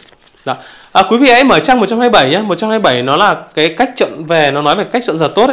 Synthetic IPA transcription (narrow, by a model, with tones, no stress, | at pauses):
ɗɔ˨˦ | ʔəː˨˩kwi˨˦vḭ˧˨a̰˧˥jməː˧˩t͡ɕaː˧ŋm˨˩t̚t͡ɕa˧mhaː˧jɓə˧˩jɲaː˧mo˨˩t̚t͡ɕa˧mhaː˧jɓə˧˩jnɔ˨˦laː˨˩kaː˨˦jka˦˥k̚t͡ɕə̰˧˨nve˨˩nɔ˨˦nɔ˨˦jve˨˩ka˦˥jk̚t͡ɕə̰˧˨nzəː˨˩t̪o˦˥t̚